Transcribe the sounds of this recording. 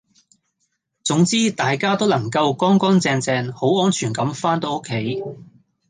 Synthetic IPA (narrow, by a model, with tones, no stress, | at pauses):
t͡sʊ˨˥ŋt͡siː˥t̪aː˨jkaː˥t̪o˥wlɐ˨˩ŋkɐ˧wkɔː˥ŋkɔː˥ŋt͡sɛː˧ŋt͡sɛː˧nho˨˥wɔː˥nt͡ʃʰyː˨˩nkɐ˨˥mfaː˥nt̪o˨˧wʊ˥kʰːe˨˥j